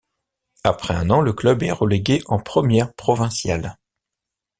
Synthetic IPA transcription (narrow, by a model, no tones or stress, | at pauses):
apχɛɛ̃nɑ̃ləklœbɛ̰ʁəleɡeʔɑ̃pχəmjɛʁpχɔvɛ̃sjal